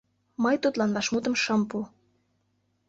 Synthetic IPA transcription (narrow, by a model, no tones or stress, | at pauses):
mɤjt̪ut̪lɑnβɑʃmut̪ə̆mʃɤ̆mpu